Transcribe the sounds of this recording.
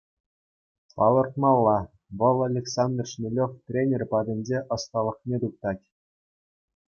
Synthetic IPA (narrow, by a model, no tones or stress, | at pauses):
pɑ̰lˠɤ̆rt̪̚mɑlˠːɑ | ʋɤ̆lˠalʲeksɑnd̪rʂnʲelʲoft̪ʲrʲenʲerʲpɑd̪ʲɘ̆nʲd͡ʑeʔɤ̆st̪ɑlˠɤ̆χnʲet̪uk̚t̪ɑtʲ